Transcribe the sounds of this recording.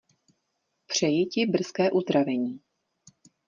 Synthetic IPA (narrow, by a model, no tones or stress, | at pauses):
pr̝̥ɛjɪcɪbr̩skɛːʔuzd̪ɾavɛɲiː